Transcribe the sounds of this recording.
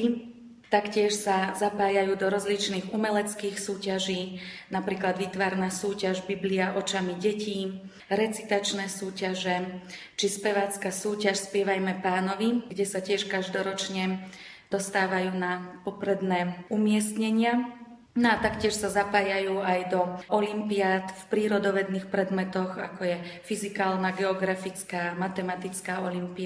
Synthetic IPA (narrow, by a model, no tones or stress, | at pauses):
t̪akcɪɛʃsazapaːjajuːd̪ɔɾɔzlit͡ʃniːɣumɛlɛt͡skiːxsuːcaʒiːnapɾiːklad̪ʋit̪ʋaɾnaːsuːcaʒbibliaʔɔt͡ʃamiɟɛciː | ɾɛt͡si̥t̪at͡ʃnɛːsuːcaʒɛ | t͡ʃispɛʋaːt͡skaːsuːcaʃspɪɛʋajmɛpaːnɔʋiɡɟɛsacɪɛʃkaʒd̪ɔɾɔt͡ʃɲɛ | d̪̥ɔst̪aːʋajuːnapɔpɾɛd̪nɛːumɪɛst̪ɲɛɲɪa | nɔat̪akcɪɛʃsazapaːjajuːajd̪ɔɔlimpiaːt̪fpɾiːɾɔd̪ɔʋɛd̪niːxpɾɛd̪mɛt̪ɔɣa̰kɔjɛfizikaːlnaɡɛɔɡɾafit͡skaːmat̪ɛmat̪it͡skaːɔlimpia